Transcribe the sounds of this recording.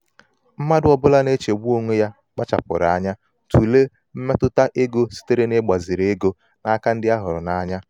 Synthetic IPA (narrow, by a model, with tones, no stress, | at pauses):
m̩˦ma˦dʊ˦ɔ˦bʊ˦la˦ne˦t͡ʃe˨ɡ͡bu˦o˦ŋʷe˦ja˦ | k͡pa˦t͡ʃa̰˨pʊ̰˨ɾa˨˦ɲa˦ | tu˨le˦ | m̩˦me˦tʊ˦ta˦ʔe˦ɡo˦si̥˦te˦ɾe˦ne˦ɡ͡ba˨zɪ˨ɾe˦ɡo˦ | na˦ka˦n̩˦dɪ˦a˦ɦʊ˨ɾʊ̰˨na˦ɲa˦